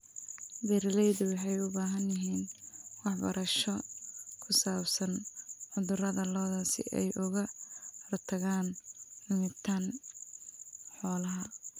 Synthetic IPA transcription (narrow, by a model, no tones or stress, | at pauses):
bɛɾlɛjðʊwɑħɑjʊbaːɦɐnjɪɦiːnwɑħbɐ̰ɾɐʃɔkʰʊsaːbsɐnʕʊðʊrɐðɐlɔːðɐsɪ̰ʔɛ̰jʔʊɣɐhrt̪ʰɐɣaːnmʊmɪt̪ʰan | ħɔːlɐɦɐ